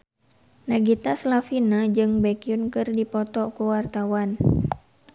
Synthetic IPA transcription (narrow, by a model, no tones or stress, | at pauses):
naɡit̪aslafinad͡ʒɨŋbɛkjʊnkɨrdipɔt̪ɔkuwart̪awan